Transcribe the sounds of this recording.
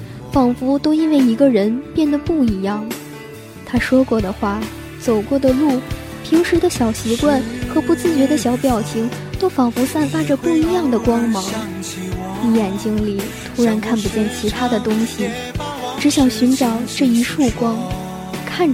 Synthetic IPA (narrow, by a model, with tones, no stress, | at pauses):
fɑ˨˩ŋfu˧˥t̪o˥ʊi˥nwe˥˩ɪi˧˥ɡə˧ɻə˧˥npjɛ˥˩nd̪ə˩pu˥˩i˧˥jɑ˥˩ŋ | t̪ʰa˥ʂwɔ˥kwɔ˥˩d̪ə˩xwa˥˩ | t͡so˨˩ʊkwɔ˥˩d̪ə˩lu˥˩ | pʰi˧˥ŋʂɻ̩˧˥d̪ə˧ɕjɑ˨˩ʊɕɛ˧˥kwa˥˩nxɤ˧˥pu˥t͡sɹ̩˥˩t͡ɕɥɛ˧˥d̪ə˧ɕjɑ˧˥ʊpjɑ˨˩ʊt͡ɕʰi˧˥ŋt̪o˥ʊfɑ˨˩ŋfu˧˥sa˥˩nfa˥ʈ͡ʂə˧pu˥˩i˧˥jɑ˥˩ŋd̪ə˩kwɑ˥ŋmɑ˧˥ŋ | t̪i˥˩jɛ˨˩nt͡ɕi˥ŋli˨˩ | t̪ʰu˥ɻa˧˥nkʰa˥˩npu˧t͡ɕjɛ˥˩nt͡ɕʰi˧˥t̪ʰa˥d̪ə˨t̪ʊ˥ŋɕi˨˩ | ʈ͡ʂɻ̩˧˥ɕjɑ˨˩ŋɕy˧˥nʈ͡ʂɑ˨˩ʊʈ͡ʂɤ˥˩i˧˥ʂu˥˩kwɑ˥ŋ | kʰa˥˩n